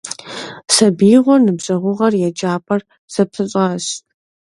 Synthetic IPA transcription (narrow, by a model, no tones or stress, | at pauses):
sɐbiːʁʷɔnɨbʑʼɐʁʷʊʁɐrjɛd͡ʒaːpʰʼɐr | sɐptʰɨɕʼɐɕ